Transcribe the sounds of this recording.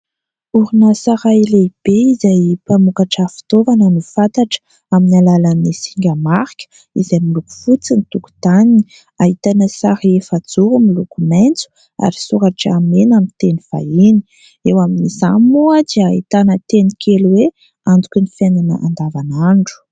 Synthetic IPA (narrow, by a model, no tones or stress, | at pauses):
uɾunəsaɾaileb̥eizajpamukaʈ͡ʂəfi̥t̪ovanənifant̪aʈ͡ʂə̥ | aminalalənisiŋɡʲəmaɾikʲə̥ | izajmiluku̥fut͡sinit̪uku̥t̪anini | ait̪anəsaɾiefad͡zuɾumilukumajnt͡su̥ | a̰ɾisuɾaʈ͡ʂamenamint̪eniv̥a̰ini̥ | ewaminizamuad͡ʒiait̪anət̪enikʰʲeluwe | and͡zukʲunifananə̰ʔand̪avanaɳɖ͡ʐu̥